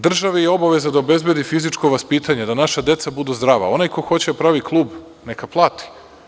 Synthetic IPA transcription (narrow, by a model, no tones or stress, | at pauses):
d̪r̩ʒaʋejeo̞baʋe̞zad̪aobe̞zbe̞d̪ifizit͡ʃko̞ʋaspiːt̪aɲe̞d̪anaʃad̪je̞t̪sabud̪uzd̪ɾaːʋa̰o̞najko̞xo̞t͡ɕed̪apɾaʋiklˠuːb | nekaplˠaːt̪i̥